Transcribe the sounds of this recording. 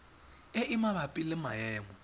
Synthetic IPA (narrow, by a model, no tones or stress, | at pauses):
eʔimaβapʼilɪmajɛːmɔ